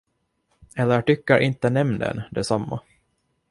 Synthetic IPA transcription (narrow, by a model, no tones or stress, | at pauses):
ɛlːəʈʏkːaɾʔɪnt̪ənɛmnd̪ə̰nd̪ɛsamːa̰